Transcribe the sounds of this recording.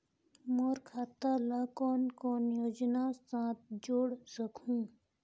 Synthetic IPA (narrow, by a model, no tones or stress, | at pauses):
moɾkʰaːt̪ələkɔːnkoːnjoːd͡ʒnassãːt̪̚ʰd͡ʒoːɽsəkũː